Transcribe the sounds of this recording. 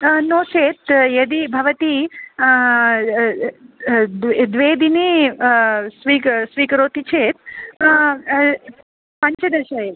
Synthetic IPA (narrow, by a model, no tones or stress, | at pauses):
noːt͡ʃʰeːt̪jɐd̪ibʱɐʋɐt̪i | d̪ʋeːd̪ini | sʋiːksʋiːkɾoːt̪it͡ʃʰeːt̪̚ | pɐɲt͡ʃɐd̪ɐʃɐj